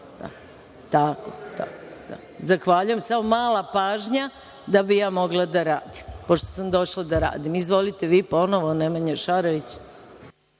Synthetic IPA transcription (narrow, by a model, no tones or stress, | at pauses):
d̪a̰ | t̪akot̪a̰kod̪a̰ | zaxʋaʎuje̞msamomaːlapaːʒɲa | d̪abijaːmo̞ɡlˠad̪aɾaːd̪impo̞ʃt̪o̥samd̪o̞ʃlˠad̪aɾa̰ːd̪imizʋo̞lit̪eʋiːpo̞noʋonemaɲeʃaɾoʋit͡ɕ